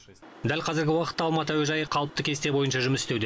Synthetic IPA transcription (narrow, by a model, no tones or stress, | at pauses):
d̪ælʲqʰɑzɪɾɡʲɪwɑqət̪ːɑlˠmɑt̪̬əwæʒɑjəqʰɑlˠəp̚t̪əkʲʰe̞st̪ebo̞jənʃɑʒʏmɪsɪ̥st̪e̞wd̪e